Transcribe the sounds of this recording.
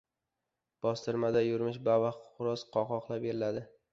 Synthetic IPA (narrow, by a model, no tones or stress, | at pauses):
b̥ɒst̪ʰɪɾmad̪ajʊɾmɪʃbavaχʊɾɒsqʰɒqɒqlˠabeɾɪlad̪ɪ